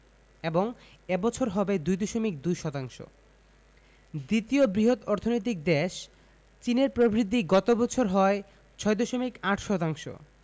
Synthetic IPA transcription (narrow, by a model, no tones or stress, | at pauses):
eboŋ | ebɔt͡ɕʰoɾɦɔbed̪ujd̪ɔʃomik̚d̪ujʃɔt̪aŋʃo̰ | d̪it̪iobɾiɦot̪ɔɾt̪ʰonojt̪̬ik̚d̪eʃ | t͡ɕineɾpɾobɾit̪ːiɡɔt̪obɔt͡ɕʰoɾɦɔe | t͡ɕʰɔed̪ɔʃomikaʈʰʃɔt̪aŋʃo̰